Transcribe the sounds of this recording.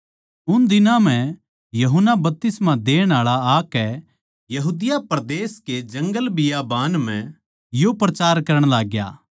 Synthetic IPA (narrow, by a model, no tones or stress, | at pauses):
ʊnd̪ɪnãm̤ɛ̃ | jɐɦənːabɐp̚t̪ɪsmãd̪eːɽ̃aːɭaaːkɛ | jɐɦuːd̪ɪjapɾd̪eːsked͡ʒɐ̃ŋɡəlbɪjabaːnm̤ɛ̃ | jopɾɐt͡ʃaːɾkɐɾəɽ̃laːɡja̰ː